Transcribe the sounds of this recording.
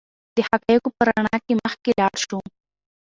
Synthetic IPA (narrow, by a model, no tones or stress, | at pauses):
d̪̥əhakɑjəkopəɾaɳɑkeməxkelɑɽʃu